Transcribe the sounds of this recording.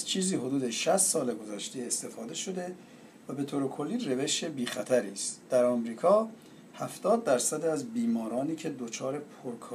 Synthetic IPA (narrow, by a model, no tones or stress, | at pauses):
zt͡ʃʰiːziːɦo̞d̪uːd̪eʃæst̪sɒːleɡo̞zæʃt̪eest̪e̞fɒːd̪e̞ʃo̞d̪e̞ | væbe̞t̪ʰoːɾekʰo̞lːiːre̞ve̞ʃebiːxæt̪ʰæɾiːst̪d̪̥æɾɒmɾiːkʰɒː | hæft̪ɒːd̪̚ːæɾsæd̪eæzbiːmɒːɾɒːniːcʰe̞d̪ot͡ʃʰɒːɾe̞pʰoɾkʰː